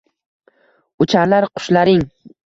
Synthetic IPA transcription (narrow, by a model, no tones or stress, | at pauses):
ʊt͡ʃʰaɾlaɾqʰʊ̥ʃlaɾɪŋ